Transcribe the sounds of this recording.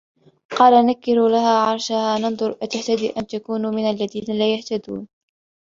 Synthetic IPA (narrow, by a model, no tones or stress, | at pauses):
qɑːlanakːɪɾulahaːʕɑɾˤʃahaːnɑnðˤʊɾˤʔat̪aht̪ad̪ḭːʔant̪akuːnumɪnalːaðiːnalaːjaht̪ad̪ṵːn